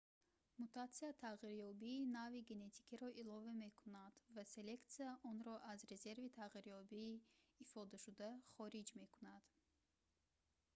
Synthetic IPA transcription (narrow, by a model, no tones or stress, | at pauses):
mut̪ʰat̪siat̪ʰaʁiɾjɔbiːnaviɡene̞t̪ʰi̥kʰiɾɔʔilɔvame̞kʰunad̪vase̞le̞kt̪siaʔɔnɾɔʔazɾe̞ze̞ɾvit̪ʰaʁiɾjɔbiːfɔd̪aʃud̪aχɔɾid͡ʒme̞kunad̪̥